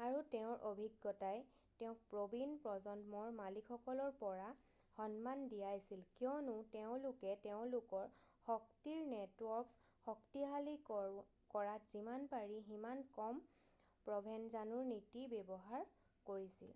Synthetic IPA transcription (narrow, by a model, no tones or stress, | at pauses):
aɹuteʊ̃ɹʔobʱiɡːɔtaj | teʊ̃k̚pɹobinpɹɔzɔndmɔɹmalikʰɔkɔlɔɹpɔɹa | xɔnmandijajsilkijɔnʊteʊ̃lʊkɛteʊ̃lʊkɔɹ | hɔk̚tiɹnɛtwɔp | hɔktiɦali | kɔɹatz̥imanpaɹiɦimankɔm | pɹɔbʱɛnzanuɹnitibebɔɦaɹ | koɹisḭl